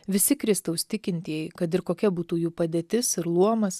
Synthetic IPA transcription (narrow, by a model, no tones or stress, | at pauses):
ʋʲɪsʲɪkɾʲɪst̪ɐʊʃʲt̪ʲɪkʲɪnʲt̪ʲiːjɛɪkɐt̪ɪɾkoːkʲɛbuːt̪uːjuːpɐd̪ʲeːt̪ʲɪsɪɾlˠuɔmɐs